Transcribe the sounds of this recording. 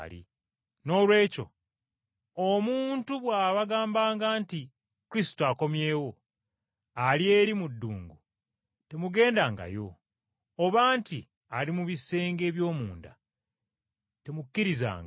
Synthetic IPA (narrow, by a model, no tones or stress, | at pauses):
lḭ | no̞ːlwe̞ːco̞̰ | omuːntuβwaːβaɡaːmbaːŋɡaːnti | kuɾisi̥toako̞mje̞ːwo̞ | alie̞ɾimudːuːŋɡu | te̞muɡe̞ːndaːŋɡa̰jo̞̰ː | βaːnti | alimuβise̞ːŋɡe̞ːβjo̞ːmuːnda̰ | te̞mukːiɾiza̰ːŋɡ